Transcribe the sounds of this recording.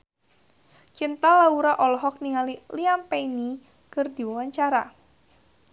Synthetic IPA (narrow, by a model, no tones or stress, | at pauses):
t͡ʃint̪alauɾaʔɔlɔɦɔk̚niŋaliliampɛini | kərd̪iwawaɲt͡ʃaɾa